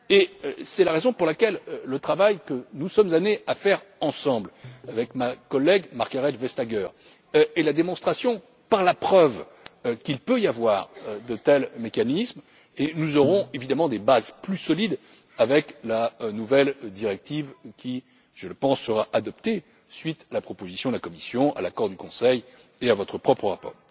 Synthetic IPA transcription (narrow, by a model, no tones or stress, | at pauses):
esɛlaʁezɔ̃puʁlakʲɛlːət̪χavajkənusɔmzaneafɛʁɑ̃sɑ̃blavɛkmakɔlːɛɡmaʁkaʁɛt̪vɛst̪aɡœʁ | elad̪emɔ̃st̪χasjɔ̃ | paʁlapχœv | kʲilpøjavwaʁd̪ət̪ɛlmekanism | enuzɔʁɔ̃evid̪amɑ̃d̪ebazplysɔlid̪ | avɛklanuvɛld̪iʁɛk̚t̪ivkʲʰi | ʒ̥ələpɑ̃sːəʁaʔad̪ɔpt̪e | sɥit̪alapχɔpozisjɔ̃d̪lakɔmisjɔ̃ʔa̰lakɔʁd̪ykɔ̃sɛj | eavɔt̪χəpχɔpχəʁapɔ̰ːʁ